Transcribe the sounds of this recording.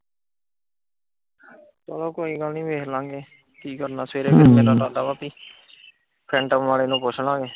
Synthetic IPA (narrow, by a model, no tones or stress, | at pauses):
t̪oːloːkoːiːɡəlnĩːʋeːkʰlãːɡeː | kiːkəɾnaːsʋeːɾeːpʰɪɾmeːɾaːdaːd̪aːbaːpiː | pʰɾɛ̃ːɳʈəmʋaːleːnũːpʊt͡ʃʰlãːŋɡeː